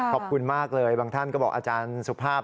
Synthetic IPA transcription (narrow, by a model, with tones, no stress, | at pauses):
kʰɔː˨˩p̚kʰu˧nmaː˥˩k̚lɤː˧jbaː˧ŋt̪ʰa˥˩nkɔː˥˩bɔː˨˩k̚ʔaː˧t͡ɕaː˧nsu˨˩pʰaː˥˩